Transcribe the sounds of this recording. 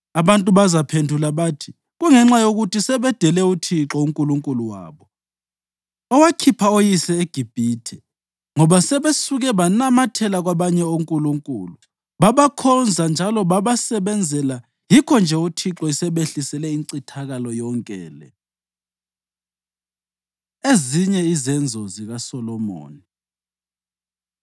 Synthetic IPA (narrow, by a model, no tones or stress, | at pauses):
aβantʼuβazapʰendʱulaβaːtʰi̥ | ɣuŋɛŋ͡ǁajoɣutisɛβɛd̥ʱɛlɛutʰiǁɔuŋkʼuluŋkʼuluwa̰ːβɔ | ɔwakʰipʰaojisɛeɡ̥ʱib̥ʱiːtʰɛ | ŋɔβasɛβesuɣɛβanamatʰɛlaɣwaβaɲɛoŋkʼuluŋkʼṵːlu | ɓaβakʰɔnd͡zʱand͡ʒʱalɔɓaβasɛɓɛnd͡zʱɛla | jikʰɔnd͡ʒʱɛutʰiǁɔisɛɓeɬisɛlɛiŋǀitʰaɣalɔjɔŋkʼɛːlɛ̰ | eziɲɛizɛnd͡zʱɔziɣasɔlɔmo̰ːni